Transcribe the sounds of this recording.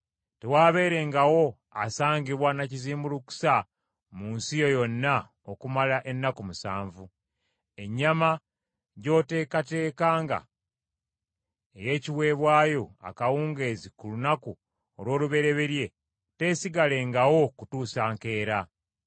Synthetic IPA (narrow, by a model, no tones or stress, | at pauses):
tewaːβe̞ːɾe̞ːŋɡawo̞ | asaːɲɡiβwanaciziːmbuluku̥sa | muːnsijo̞jo̞nːa | okumalaʔe̞nːakumusa̰ːɱvu | e̞ɲːama | ɟo̞ːte̞ːkate̞ːkaːŋɡa̰ | eje̞ːciwe̞ːβwaːjo̞a̰kawuːŋɡe̞zikulunaku | olwo̞ːluβe̞ɾe̞βe̞ɾje̞ | te̞ːsiɡale̞ŋɡawo̞kutuːsaːŋke̞ːɾa